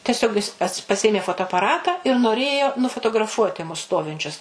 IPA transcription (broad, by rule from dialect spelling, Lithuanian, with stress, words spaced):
tʲɛˈsʲoːk jɪs pɐs pɐˈsʲeːmʲeː foːtoːɐpɐˈrɑːtɑː ɪr noːˈrʲeːjoː nʊfoːtoːɡrɐˈfuɔtʲɪ mʊs ˈstoːʋʲɪnʲt͡ʃʲʊs